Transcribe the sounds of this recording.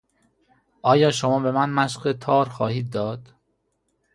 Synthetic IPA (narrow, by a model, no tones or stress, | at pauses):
ʔɒːjɒːʃomɒːbe̞mænmæʃɢet̪ʰɒːɾxɒːhiːd̪̚ːɒːd̪̥